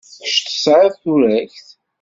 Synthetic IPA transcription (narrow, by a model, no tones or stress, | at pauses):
ʃt̪ə̥sʕɾˤaðθuɾæçθ